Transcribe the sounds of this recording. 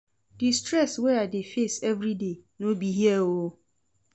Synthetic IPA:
dɪstɾɛsweadefesɛvɾidenobiɦiɛo

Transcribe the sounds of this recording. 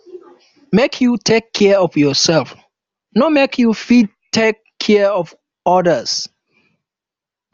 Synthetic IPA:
mekʰjutʰekʰːɛɔfjɔsɛlf | nomekʰjufid̚tʰːekʰːɛɔv | ɔdəs

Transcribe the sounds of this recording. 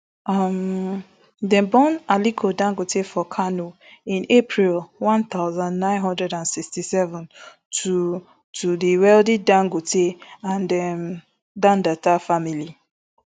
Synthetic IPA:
am | dɛ̃mbɔ̃nalikʰodãŋɡotefɔkʰanoĩnepʰɹilwãnt̪aʊzãndnãɪ̃nɦɔ̃ndɹɛdãnsikstisɛvɔ̃n | tʰu | tʰudiwɛldidãŋɡotʰeãndɛm | dãndatafamili

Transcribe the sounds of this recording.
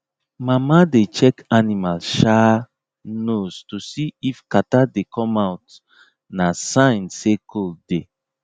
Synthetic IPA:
mamadet͡ʃɛkanimalʃa | nostosiifkatadekʰɔmawt | nasãɪ̃nsekʰolde

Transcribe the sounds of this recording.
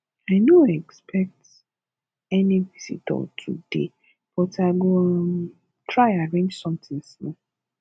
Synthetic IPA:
aɪnoɛkspʰɛk̚t | ɛnivisḭtɔ̰tʰṵdḛ | b̥ɔtʰaɡo | tʰɹaɪaɹẽnd͡ʒsɔ̃mt̪ɪ̃ŋsnɔ̃

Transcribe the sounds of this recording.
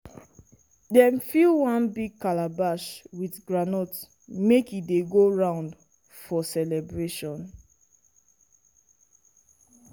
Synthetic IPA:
dɛ̃mfilwãnbiɡ̚kalabaʃwiθɡɹanɔt | mekideɡoɹãʊ̃nd | fɔsɛlɛbɹeʃɔ̃n

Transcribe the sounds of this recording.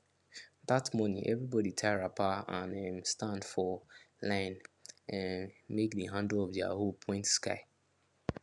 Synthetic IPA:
ðatmɔnĩʔɛvɹibɔditʰaɪɹapaãnɛmstãndfɔ | lãɪ̃nnmekdiɦãndɔvdia̰ɦopʰɔ̃ɪ̃ntskaɪ

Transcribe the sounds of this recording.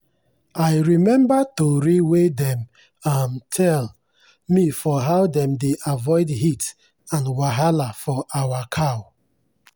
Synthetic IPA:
ajɹimɛ̃mbatoɾiwedɛ̃m | amtʰɛl | mifɔɦaʊdɛ̃mdeʔavɔɪdɦit | ãnwaɦalafɔʔawakʰaw

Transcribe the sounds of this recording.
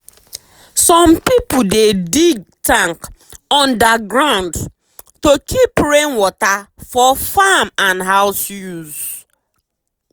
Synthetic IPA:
sɔ̃mpipudediɡ̚tãŋkɔ̃ndaɡɹãʊ̃nd | tokʰipɹẽnwɔtafɔfamãnɦaʊsjuz

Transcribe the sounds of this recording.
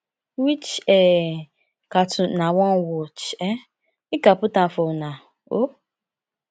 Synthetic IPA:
wit͡ʃɛ | katʊnawɔnwɔt͡ʃɛ | ikapʊtafona | o

